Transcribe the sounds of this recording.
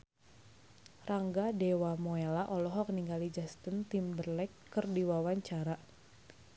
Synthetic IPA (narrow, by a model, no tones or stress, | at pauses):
rʔaŋɡadewamoelaʔɔlɔɦɔk̚niŋɡalid͡ʒast̪ənt̪imbərlɛkːərdiwawaɲt͡ʃaɾa